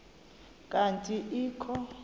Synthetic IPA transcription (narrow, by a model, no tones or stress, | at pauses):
kʼantʼiʔiːkʰɔ